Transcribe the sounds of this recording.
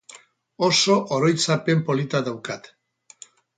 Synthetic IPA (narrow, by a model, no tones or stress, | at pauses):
oso̞ʔoɾojt͡sape̞mpo̞lit̪aðawkat̪